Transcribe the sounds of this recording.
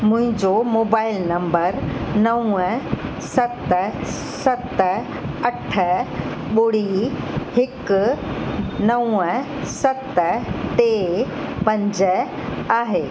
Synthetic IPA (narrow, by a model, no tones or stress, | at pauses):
mʊ̃ɦɪ̃ɲd͡ʑomoːbaːɪlnɐ̃mbəɾnɐũə | sɐt̪ | sɐt̪ | ɐʈʰə | ɓʊɽihɪk | nɐũə | sɐt̪teː | pɐ̃ɲd͡ʑ | aːɦeː